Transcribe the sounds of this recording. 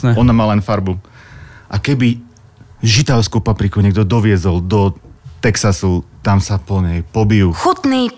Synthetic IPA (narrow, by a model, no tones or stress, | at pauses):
ɔnamaːlɛnfaɾbu | ʔakɛbi | ʒit̪aʊskupapɾikuɲɛɡd̪ɔd̪ɔʋɪɛzɔld̪ɔt̪ɛksasut̪amsapɔɲɛjpɔbijuxut̪niː